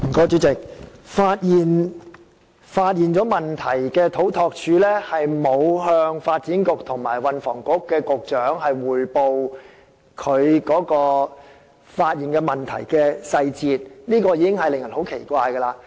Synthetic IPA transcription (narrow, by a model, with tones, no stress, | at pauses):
m̩˨˩kɔː˧˥t͡ʃyː˨˥t͡sɪ˨k̚faː˧t̚jiː˨˩n | faː˧t̚jiː˨nt͡ʃɔː˨˥mɐ˨˩nt̪ʰɐ˨˩jkɛː˧t̪ʰo˨˥wt̪ʰɔː˧k̚t͡ʃʰyː˨˧lɛː˥hɐ˨jmo˨˧wɦœː˧ŋfaː˧t̚t͡siː˨˥nkʊ˨k̚t̪ʰʊ˨˩ŋmaː˨˩jwɐ˨˧nfɔː˨˩ŋkʊ˨˥kːɛː˧kʊ˨k̚t͡ʃœː˨˥ŋɦɐ˨jwuː˨˩jpo˨w | kʰɵ˨˧ɥkɔː˨˥kɔː˧ | faː˧t̚jiː˨nkɛː˧mɐ˨˩nt̪ʰɐ̰˨˩jkɛː˧sɐ˧jt͡siː˧t̚niː˥kɔː˧jiː˧˥kɪ˥ŋhɐ˨jlɪ˨ŋjɐ˨˩nho˨˥wkʰe˨˩jkʷaː˧jkə˧laː˧